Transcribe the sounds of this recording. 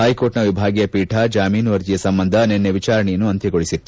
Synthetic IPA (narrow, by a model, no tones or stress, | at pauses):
ɦɐjkoːɾʈnɐʋibʱaːɡijɐpiːʈʰɐd͡ʒaːmiːnuʋɐɾd͡ʒijɐsɐmbɐnd̪ʱɐnenːeʋit͡ʃaːɾɐɳɛjɐnːuɐnt̪ʰiɡoɭisit̪ːu